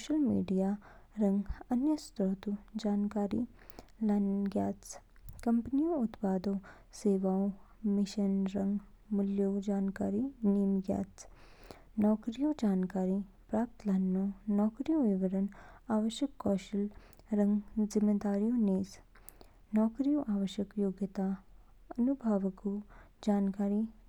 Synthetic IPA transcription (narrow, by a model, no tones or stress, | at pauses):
ʃəlmḭːɖijaːɾɐ̃ŋɡɐnjəst̪ɾoɦt̪ud͡ʒaːnkaːɾḭ | lɐnɡjaːt͡skɐ̃mpnijõʊt̪paːd̪õː | seːʋaːõmɪʃənɾɐ̃ŋɡmʊljoːɡd͡ʒaːnkaːɾiniːmɡja̰ːt͡s | nɔːkɾijõːd͡ʒaːnkaːɾi | pɾaːp̚t̪lɐnːoːnɔːkɾijõʋɪʋəɾənaːʋəʃjəkːɔːʃəl | ɾɐ̃ŋɡzɪmːed̪aːɾijõːneːs | nɔːkɾijõʔaːʋəʃjəkjoːɡjət̪a | ɐnubʱaʋəko | d͡ʒaːnkaːɾi